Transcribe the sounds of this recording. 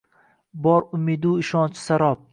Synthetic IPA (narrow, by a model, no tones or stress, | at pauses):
bɒɾʊmid̪uɪʃɒnt͡ʃʰɪ̥saɾɒp̚